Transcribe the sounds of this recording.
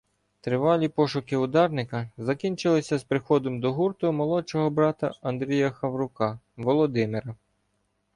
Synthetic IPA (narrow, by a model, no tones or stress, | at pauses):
t̪ɾɪʋɑlʲipɔʃʊkɪʊd̪ɑrnɪkɐzɐkʲinʲt͡ʃɪlˠɪsʲɐspɾɪxɔd̪ɔmd̪ɔɦurt̪ʊmɔlˠɔt͡ʃɔɦɔbɾɑt̪ɐɐnd̪ɾʲijɐxɐʋɾʊkɑ | ʋɔlˠɔd̪ɪmɪɾɐ